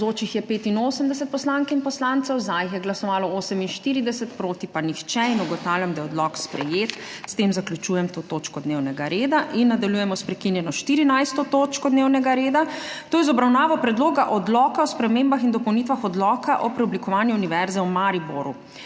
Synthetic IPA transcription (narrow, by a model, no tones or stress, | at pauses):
zoːt͡ʃixjɛpeːt̪inoːsəmd̪ɛs̬ɛt̪pɔslaŋkinpɔslant̪sɛwzajxjɛɡlasɔʋaːlɔoːsəminʃt̪iːɾid̪ɛsɛt̪pɾoːt̪ipanixt͡ʃɛinuɡɔt̪awljamd̪ajɛɔd̪lɔkspɾɛjeːt̪st̪emzaklʲjut͡ʃuːjɛmt̪oːt̪oːt͡ʃkɔd̪newnɛɡaɾeːd̪aʔinːad̪aljujɛmɔspɾɛkinjɛnɔʃt̪iɾinajst̪ɔt̪oːt͡ʃkɔd̪newnɛɡaɾeːd̪at̪oːjɛzɔbɾawnaːʋɔpɾɛd̪loːɡaʔɔd̪lɔːkaɔspɾɛmembaxind̪ɔpɔwnit̪ʋaxɔd̪lɔːkʰaʔɔpɾɛɔblikɔʋaːnjuuniʋɛɾzɛwmaɾiboɾu